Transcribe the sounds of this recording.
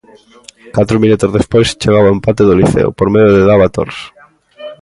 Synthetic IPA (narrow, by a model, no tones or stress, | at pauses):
kat̪ɾomĩnut̪ozðespojst͡ʃeɣaβaempat̪eðoliθḛʊ̰poɾmeðjoðeðaβat̪o̰ɾs